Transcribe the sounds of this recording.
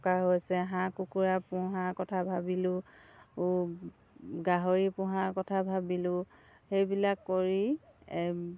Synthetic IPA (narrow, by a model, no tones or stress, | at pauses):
kaɦojsɛɦãkukuɹapʊɦaɹkɔtʰabʱabilʊ | ɡaɦoɹipʊ̃ɦaɹkɔtʰabʱabilʊ̃ | xejbilakːoɹi